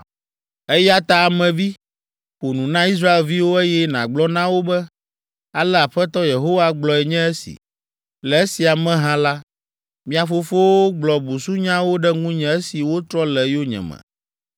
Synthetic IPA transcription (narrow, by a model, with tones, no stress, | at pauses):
e˦ja˦t̪a˦a˨mɛ̃˨vi˦ | ɸo˨nũ˨nã˦i˦s̬ɾa˦e˨lvi˦wo˦e˦jɛ˦nã̰˨ɡ͡blɔ˦nã˦wo˦bɛ˦ | a˨lɛ˦a˨ɸɛ˦t̪ɔ˦je˨ɦo˦wa˦ɡ͡blɔ˨ɛ˨ɲɛ̃˦ɛ˦sḭ˨ | lɛ˨e˦si˨a˨mɛ̃˦ɦã˦la˦ | mĩ˦a˨fo˦fo˦wo˦ɡ͡blɔ˨bu˨su˦ɲã˦wo˦ɖɛ˦ŋũ˦ɲɛ̃˦ɛ˦si˨wo˦t̪ɾɔ˦lɛ˨jo˦ɲɛ̰̃˨mɛ̰̃˨